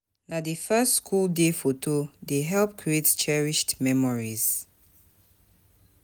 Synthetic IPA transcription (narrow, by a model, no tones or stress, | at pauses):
nadəfɛstskʰuldefotʰodeɦɛlp̚kʰɹiett͡ʃɛɹiʃtmɛmɔɹiz̥